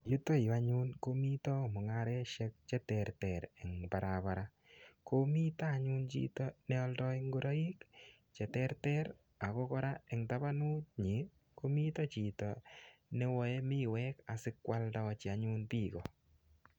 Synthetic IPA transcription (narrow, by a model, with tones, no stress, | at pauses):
ju˦tɔ˦ji˨a˦ɲu˦nko˦mi˦tɔ˦mʊ˨ŋaɾɛ˦ʃɛ˦k̚t͡ʃɛ˦tɛrtɛ˨ɾɛ˨ŋba˨ɾaba˨ɾa˦ | ko˦mi˦taː˦˨ɲu˦nt͡ʃḭ˦tɔ˦nɛ˦ɔ˦ldɔ˦i˦ŋɡo˦ɾɔ˦i˦k | t͡ʃɛ˨tɛ˦rtɛɾ | a˨kɔ˦kɔ˦ɾa˦ɛ˨ŋta˦ba˦nu˦t̚ɲi˨ | ko˦mi˦tɔ˦t͡ʃi˨tɔnɛ˦wɔ˨ɛ˦mɪ˦wɛ˦ka˨sɪ˦kwa˦ldɔ˦t͡ʃɪ˨a˨ɲu˦npiː˦kɔ̰˨